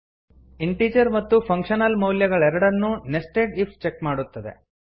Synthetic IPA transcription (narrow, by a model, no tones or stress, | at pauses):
iɳʈiːd͡ʒɐɾmɐt̪ːupʰɐŋkʂɐnɐlmɐwljɐɡɐɭɛɾɐɽɐnːunesʈeːʈip̚ʰt͡ʃekmaːɽut̪ːɐd̪ḛ